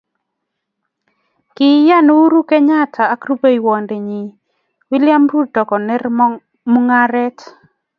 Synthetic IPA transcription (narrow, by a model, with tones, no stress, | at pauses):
kɪ˨˦ja˦nu˦u˦ɾu˦kɛ˦ɲa˦tʰaː˨˦kɾu˦be˦i˨wɔ˨nde˨ɲi˨ | wi˦lɪja˦mɾu˦dɔ˨kɔ˨nɛ˦r | mu˦ŋa˦ɾɛ˦t